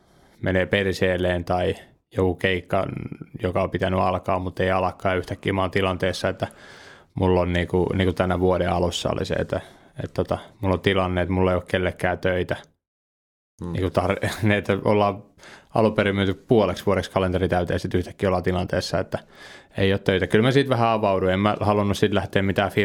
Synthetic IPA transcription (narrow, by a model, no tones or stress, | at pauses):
meneːperseːleːnt̪ɑi | jokukeikːɑ̰njokɑopit̪ænyɑlkɑ̰ːmmut̪ːeiɑlɑkːɑːyht̪ækːiːmɑːnt̪ilɑnt̪eːsːɑet̪ːæ | mulːonniːkuniːŋkut̪ænæʋuodeɑlusːɑ̰lḭsḛḛt̪ːæ | ḛt̪t̪ot̪ɑmulːot̪ilɑnːeet̪mulːeioːkkelːekːæːt̪øit̪æ | nḭːkut̪ɑrniet̪ːæo̰lːɑː | ɑ̰luperimynt̪ykpuoleksʋuoɾekskɑlent̪erit̪æyt̪eːsit̪yht̪æ̥kːiːolːɑt̪ilɑnt̪eːsːɑet̪ːæeioːt̪t̪øit̪ækylmæsiːt̪ʋæhæɑʋɑuduemmæhɑlunːussit̪læht̪eːmmit̪æːfi